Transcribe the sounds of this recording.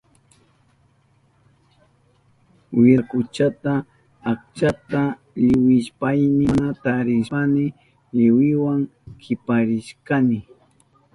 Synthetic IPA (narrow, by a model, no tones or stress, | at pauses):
wɪakʊt͡ʃat̪aː | k̚t͡ʃat̪a | ʎɪwɪʃpajnɪnat̪aɾɪʃanɪ | ʎɪwɪwaŋkʰɪpaɾɪʃkanɪ